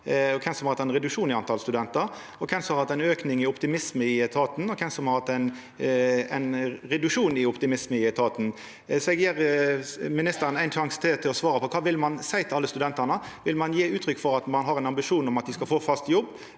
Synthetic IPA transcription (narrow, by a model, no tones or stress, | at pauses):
ɔkʰɛnsɔmhɑɾɑt̪ɛɛnʁɛd̪ʉkʂuːnɪɑnt̪ʰɑlst̪ʉd̪ɛnt̪əɾ | ɔkʰɛnsɔmɑɾhɑt̪ːæɪnøːknɪŋɪʊpt̪ɪmɪsməɪɛt̪ʰɑːt̪n̩ɔkʰɛnsɔmhɑɾhɑt̪ːæɪn | ɛ̰ɪnɾɛd̪ʉkʂuːnɪɔpt̪ɪmɪsməɪɛt̪ʰɑːt̪n̩ | sɔɛɡjeːɾ | mɪnɪst̪əɾənæɪnʃɑŋst̪ʰɪlt̪ʰɪlɔsʋɑːɾəpɔkʰɑːʋɪlmɑnsæɪt̪ʰɪlɑlːəst̪ʉd̪ɛnt̪ənə | ʋɪlmɑnjiːʉːt̪ʰɾʏkːfɔɾɑt̪mɑnɦɑɾɛɪnɑmbɪʂuːnɔmɑt̪̚d̪ɪskɑlfoːfɑst̪jɔbː